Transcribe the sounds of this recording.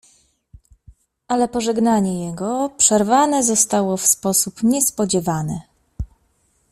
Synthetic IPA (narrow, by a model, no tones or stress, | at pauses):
ʔalɛpɔʐɛɡnaɲɛjɛɡɔpʂɛɾvanɛzɔst̪awɔfspɔsupɲɛspɔd͡ʑɛvanɘ